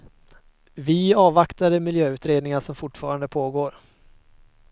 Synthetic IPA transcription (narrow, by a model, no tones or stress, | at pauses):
vɪɑːvakt̪aɾəmɪljøːʉ̟ːt̪ɾeːd̪nɪŋaʂɔmfʊʈfɑːɾand̪əpʰoːɡoːɾ